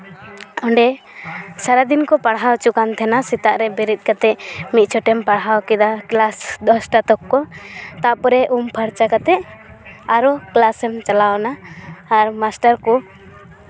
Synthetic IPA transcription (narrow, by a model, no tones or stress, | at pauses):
ɔɳɖɛ | saɾad̪inkɔpaɽɦawt͡ʃukant̪ʰɛnasit̪aʔɾɛbɛɾit̪̚ˀkat̪ɛmit̪̚t͡ʃʰɔʈɛmpaɽɦawkɛd̪aklasd̪ɔsʈat̪ɔkːɔt̪aʔpɔɾɛʔumpʰəɾt͡ʃakat̪ɛʔ | aɾɔklasɛmt͡ʃalawnaːɾmasʈaɾkɔ